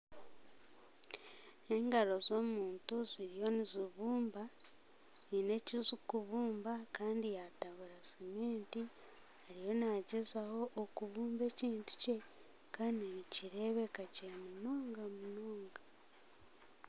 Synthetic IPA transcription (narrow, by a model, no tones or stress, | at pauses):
e̞ŋɡaɾo̞zo̞ːmuːntuziɾijo̞niziβuːmba | nine̞cizikuβuːmbakaːndijataβuɾasimeːnti | haɾijo̞naɟezaho̞ʔːkuβuːmbe̞ːciːntu̥ce̞ | kaniniciɾe̞ːβe̞kaɟemunoːŋɡamunoːŋɡa